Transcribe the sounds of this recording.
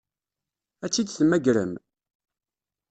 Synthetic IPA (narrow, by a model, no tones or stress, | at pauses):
æt͡sːid̪θəmːæɡɾə̰m